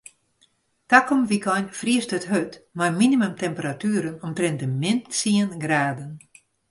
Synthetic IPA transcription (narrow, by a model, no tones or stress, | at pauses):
takɔmʋikɔjnfriəstətɦøtmarminimømtɛmpəɾatyːɾənɔmtrɪnt̚dəmɪntsiənɡraːdən